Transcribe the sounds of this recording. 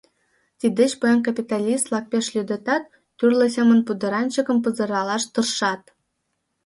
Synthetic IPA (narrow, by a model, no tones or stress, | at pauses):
t̪ʲid̪ɘ̆ɕpɤjɑnkapʲit̪ɑlʲist̪lˠɑk̚pʲeʃlʲyd̪ɘ̆t̪ɑt̪ː | yrlʲɘ̆sʲemə̆npud̪ɤ̆ɾɑnt͡ɕɤ̆kɤ̆mpɤ̆zɤ̆ɾɑlˠɑʃt̪ɤ̆rʃɑt̪̚